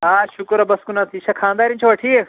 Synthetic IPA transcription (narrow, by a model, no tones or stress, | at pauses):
aːʃʊkɾɐbɐskunat̪ʰiːʃakʰãːnd̪aːɾint͡ʃʰoʋɐʈʰiːek